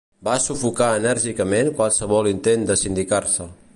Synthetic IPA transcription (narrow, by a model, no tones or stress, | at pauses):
basufukaənəɾʒikəmenkwalˠsəβɔlint̪end̪əsind̪ikarsə